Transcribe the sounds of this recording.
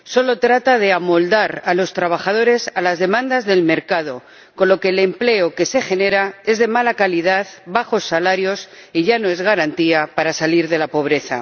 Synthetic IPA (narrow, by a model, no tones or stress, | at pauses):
so̞lo̞t̪ɾat̪að̞e̞amo̞ld̪aɾalo̞st̪ɾaβ̞axað̞o̞ɾe̞salazðe̞mãnd̪azðe̞lme̞ɾkað̞o̞ | ko̞nloke̞lemple̞oke̞se̞xe̞ne̞ɾae̞zðe̞malakalið̞aðβaxo̞sːalaɾjo̞siʝano̞e̞zɣaɾant̪iapaɾasaliɾðe̞lapo̞β̞ɾe̞θa̰